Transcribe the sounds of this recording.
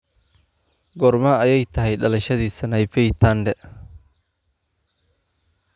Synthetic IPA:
ɡɔrmɐɐjɛjt̪ʰɐɦɛjɖɐlɐʃɐðiːsɐnɐjpɛjt̪ʰanɖɛ

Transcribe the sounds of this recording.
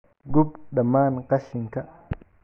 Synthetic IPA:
ɡupɗamaːnqaʃiŋka

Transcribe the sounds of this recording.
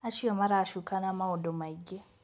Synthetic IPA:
aʃijamaɾaʃukanamawodomaiɡe

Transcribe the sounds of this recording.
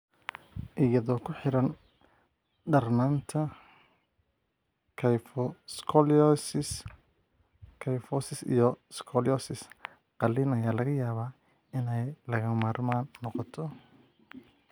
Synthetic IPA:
ʔɪjɐðɔːkʰʊħɪɾɐn | ɖɐrnaːnt̪ʰɐ | kʰfɔskʰɔls | kʰɐjfɔsɪsḭjɔskʰɔlɔsɪs | qɑliːnɐjaːlɐɣɐjaːβaː | ɪnɛjlɐɣɐmaːrmaːnːɔqɔt̪ʰɔ

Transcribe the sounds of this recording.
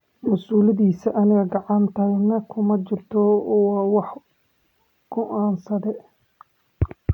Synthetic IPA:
mɐsuːlɐðiːsɐʔɐnɪɣɐɡɑʕɑnt̪ʰɐhjnɐkʰʊmɐt͡ʃɪrt̪ʰɔwɑːwɑħ | ɡ̥ɔʔaːnsɐðɛ

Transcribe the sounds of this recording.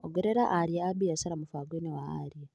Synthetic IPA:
oɡeɾeɾaʔaɾijaːbijasalamufaːɡwenewaa̰ɾia

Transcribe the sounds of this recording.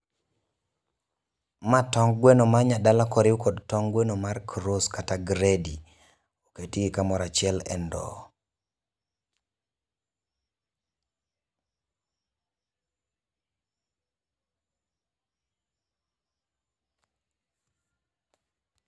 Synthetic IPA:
matɔŋɡɡwenomaɲadalakɔɾɪukodtɔŋɡwenomarkʰɾoskataɡɾedi | oketiɡikamɔɾat͡ʃɪɛlɛ̰ndɔ̰

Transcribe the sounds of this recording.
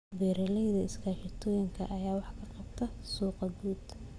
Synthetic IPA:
bɛːɾɐlɛjðɐɪskʰaːʃɪt̪ʰɔːjɪŋkʰɐ̰ʔɐjaːwɑħkʰɐqɑbt̪ʰɐsuːqɐɡuːd̪

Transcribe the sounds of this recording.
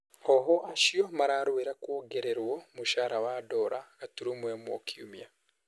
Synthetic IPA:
oɦoʔaʃijomaɾaːɾuweɾakwoːɡeɾeɾwomuʃaːɾawado̞ɾʔaɡatuɾumwemwo̰kʰiṵmja

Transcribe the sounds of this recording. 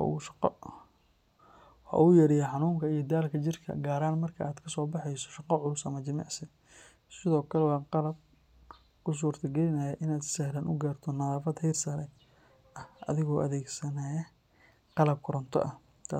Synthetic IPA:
ṵʃ | hɐ̰ujɐɾɪjɐħɑnuːmkʰɐijɞd̪aːlkʰɐt͡ʃɪrkʰɐ̰ɡaːɾaːnmɐrkʰɐʔaːd̪kʰɐsɔːbɑħɛjsɔ̥ʃɑqɑʕʊlʊsɐmɐt͡ʃɪmɑ̰ʕsɪ | sɪðɔːkʰɐlɛwɑːqɑlɐb̚ | kʰʊs̬uːrt̪ʰɐɡɛlɪnɐjɐʔɪnaːd̪sɛhlaːnʔʊɡaːrt̪ʰɔnɐðaːfɐd̪hɛjrsɐɾɛ | ɐhʔɐ̰ðɪɣɔːʔɐðɛːɡsɐnajɐ | qɑlɐb̚kʰʊɾɐnt̪ʰɔ̰ʔɐh | t̪ʰa

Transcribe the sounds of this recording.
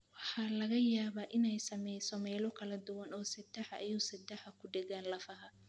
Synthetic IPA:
wɑħɑːlɐɣɐjaːβaːʔɪnɛjsɐmɛjsɔmɛːlɔkʰɐlɐd̪ʊwɐnɔːsɐd̪ɛħɐʔːjuːsɐd̪ɛħɐkʰʊɖɛɣaːnlɐfɐɦɐ

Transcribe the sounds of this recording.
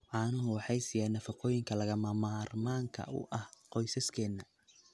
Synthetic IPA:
ʕɑːnʊʊʊwɑħɑjsɪjaːnɐfɑqɔːjɪŋkʰɐlɐɣɐmɐmaːrmaːŋkʰɐ̰ʊ̰ʔɐhqɔjsɐskʰɛːnːɐ

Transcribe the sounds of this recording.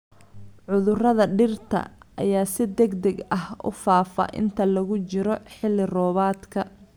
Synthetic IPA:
ʕʊðʊrɐðɐɖɪrt̪ʰɐ̰ʔɐjaːsɪd̪ɛɡd̪ɛɡɐhʊ̰faːfɐ̰ʔɪ̰nt̪ʰɐlɐɣʊt͡ʃɪɾɔħɪlːɪrɔːβaːd̪kʰɐ

